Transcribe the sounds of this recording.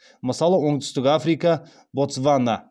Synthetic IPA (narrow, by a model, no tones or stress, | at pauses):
məsɑlˠəwoŋd̪ʏ̥st̪ɪkʲafɾika | bot̪svana